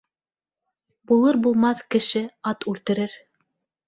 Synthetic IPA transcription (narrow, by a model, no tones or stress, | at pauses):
bulˠɤɾbulˠmɑθkɘ̆ʃɘɑt̪ʉlt̪ɘ̆ɾɘɾ